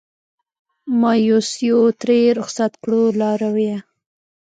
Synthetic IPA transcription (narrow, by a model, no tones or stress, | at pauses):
mɑjosjot̪ɾeɾʊxsat̪kɽolɑɾawija